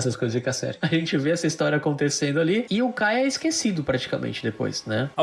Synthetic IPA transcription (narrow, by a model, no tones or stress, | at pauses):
sɐskojzɐsɪkt̪asɛ̰ɾt͡ʃʊɐʒẽnt͡ʃɪveɛsɐist̪ɔɾiɐakõnt̪esẽnd̪ʊaliɪʊkajɛɪskesid̪ʊpɾat͡ʃi̥kamḛ̃nt͡ʃɪd̪epo̰jsnɛ